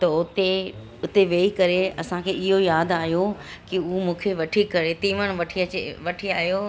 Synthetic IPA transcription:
t̪ɐʊt̪e | ʊt̪eʋeːikɐɾeɐsãkʰeːɪɦojaːd̪aːɦijokɪʊmũːkʰeʋɐʈʰikɐɾet̪ĩːʋəɽ̃ʋɐʈʰiɐeʋɐʈʰiaːɦjo

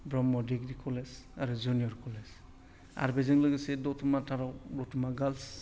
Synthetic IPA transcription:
bɾɔmːɔdiɡɾikʰɔlesaɾud͡ʒunijɔɾkɔles | a̰ɾbezɯŋlɯɡɯsedɔtʰumatʰaɾɔwdɔtʰumaɡals

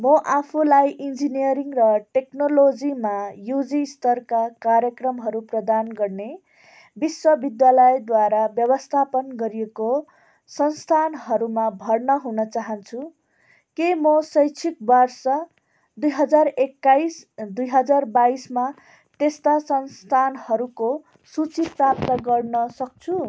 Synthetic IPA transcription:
mʌʔapʰulajʔind͡zinijʌɾiŋrʌʈeknolod͡zimajud͡zist̪ʌrkakaɾjʌkrʌmɦʌɾuprʌd̪anɡʌrne | biswʌbid̪jalʌjd̪waɾabjʌbʌst̪ʰapʌnɡʌɾijeko | sʌnst̪ʰanɦʌɾumabʱʌrnʌɦunʌt͡saɦʌnt͡sʰu | kemʌsʌjt͡sʰik̚bʌrsʌ | d̪ujɦʌd͡zarekːajsd̪ujɦʌd͡zarbaisma | t̪est̪asʌnst̪ʰanhʌɾuko | sut͡siprap̚t̪ʌɡʌrnʌsʌk̚t͡sʰu

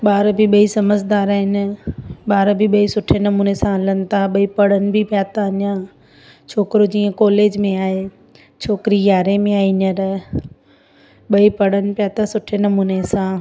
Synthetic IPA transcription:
ɓaːɾbʱiɓɐisɐməd͡ʑd̪aːɾaːɦɪn | ɓaːɾbʱiɓɐisʊʈʰenɐmuːnesãlən̆t̪ʰaɓɐipɐɽənɪ̆bʱɪpjaːt̪anjã | t͡ɕʰoːkɪɾod͡ʑiːə̃kɔːleːd͡ʑmẽaːɦe | t͡ɕʰoːkɪɾijaːɾemẽaːinəɾ | ɓɐipɐɽənɪ̆pjaːt̪asʊʈʰenɐmuːnesãː

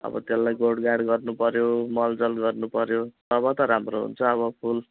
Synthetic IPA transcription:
ʌ̰bʌ̰t̪jelːajɡoɽɡaɽɡʌrnupʌɾjomʌld͡zʌlɡʌrnupʌɾjot̪ʌbʌt̪ʌɾamroɦṵnt͡sʰʌːβʌpʰul

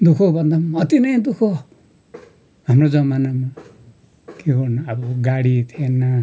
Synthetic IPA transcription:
d̪ukʰobʱʌnd̪amʌt̪inʌjd̪ukʰo | ɦamrod͡zʌmanama | keɡʌrnʌʌbʌɡaɽit̪ʰienʌ

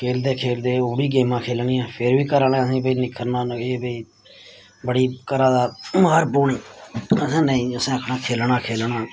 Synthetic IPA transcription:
kʰeːld̪eːkʰeːld̪eːoːɽiːɡeːmãːkʰeːlɳiːãːpʰɪɾʋiːkəɾaːlɛ̃ːəsĩːbəiːnɪkʰːəɾnãːnəeːbəiː | bəɽiːkəɾãːd̪aːməəɾboːɳiːəsɛ̃ːnəĩːəsɛ̃ːəkʰɳaːkʰeːlɳãːkʰeːlɳaː

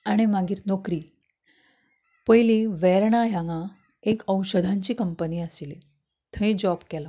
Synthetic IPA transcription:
aɽ̃imaɡiːɾnokɾiː | pəjlĩʋɛɾɳ̃ajaŋã | ekəwɕəd̪ʱãɲt͡ɕiːkəmpəniːəsile | t̪ʰə̃ĩd͡ʑɔbkɛla

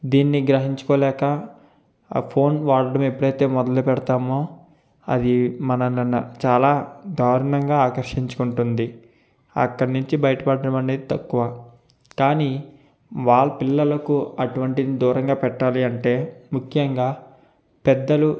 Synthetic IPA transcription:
d̪iːnːiɡɾɐɦiɲt͡ʃu̥kɔːlɛːkɐ | pʰo̞ːnʋaːɾɐɖɐmepːuɽɐjt̪e̞ːmɔd̪ɐlupɛɽɐt̪aːmoː | ɐ̰d̪imɐnɐɐnɐt͡ʃaːlaːd̪ʱaːɾɐɳɐŋɡaːaːkɐɾʂiɲt͡ʃu̥kuɳʈund̪i | ɐ̰kːɐɽnuɲt͡ʃibɐjɐʈɐpɐɽːɐɽɐmɐneːd̪it̪ɐkːuʋɐ | kaːniː | ʋaːɭːɐpilːɐlɐkuɐʈuʋɐɳʈid̪id̪uːɾɐŋɡaːpɛʈːaːliɐɳʈe̞ːmukʰjɐŋɡaː | pɛd̪ːɐlu

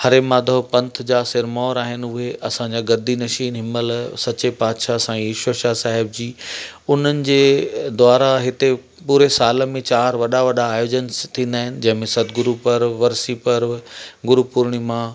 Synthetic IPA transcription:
hɐɾemãːd̪ʱəɦpɐ̃nt̪ʰd͡ʑaːsɪɾmɔːɾaːɦɪnʊɦeʔɐsãd͡ʑaɡɐd̪inɐʃiːnɦɪməlsɐt͡ɕepaːd̪ʃasãːiːʃəʃaːsaːɦɪb̚d͡ʑiːʊn̤ənɪ̆d͡ʑeːd̪waːɾaɦɪt̪e | puːɾesaːl̆mẽt͡ɕaːɾʋɐɗaʋɐɗaːjoːd͡ʑənt̪ʰĩːnd̪aːɦɪnɪ̆d͡ʑɐ̃ɦɪ̃mẽsɐd̪ɡʊɾupɐɾʋɐɾsipɐɾɡʊɾupʊɾɽ̃imã

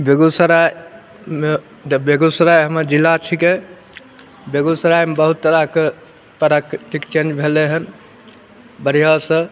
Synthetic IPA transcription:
beɡusɾa | me | beɡusɾajɦəməɾd͡ʒilːat͡ʃʰike | beɡusəɾajmebəɦut̪ːəɾake | p̪əɾakʈ̪ikt͡ʃẽnd͡ʒbʱeleɦən | bəɾijasə̃

